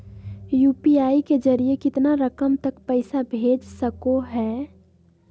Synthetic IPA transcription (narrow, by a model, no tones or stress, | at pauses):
juːpiaːiked͡ʒəɾijekɪt̪naɾəkəmt̪ɐkpəɪsabʱeːd͡ʒsəkoɦɛː